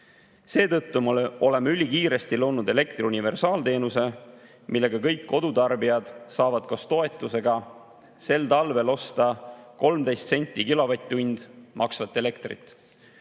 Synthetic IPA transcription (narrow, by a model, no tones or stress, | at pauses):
se̞ːt̪ɤt̪ːumɑo̞le̞mɑylʲikiːɾe̞st̪ilo̞ːnud̪e̞le̞kt̪riunʲive̞rsɑːlt̪e̞ːnuse̞ | mʔilːe̞ɡ̥ɑkɤjkːo̞d̪̥ut̪ɑrbiɑd̪̥sɑːvɑd̪̥̚kost̪o̞e̞t̪ːˑuse̞ɡɑ | se̞lt̪ɑlve̞lo̞st̪ɑko̞lmd̪e̞jst̪se̞nʲt̪ʲˑːikilo̞vɑt̪ʲːˑunʲd̪̥mʔɑksvɑt̪ːˑe̞le̞kt̪rḭt̪ːˑ